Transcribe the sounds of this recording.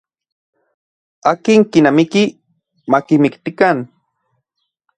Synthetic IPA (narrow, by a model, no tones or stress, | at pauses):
akiŋkinamiki | makimikt̪ikan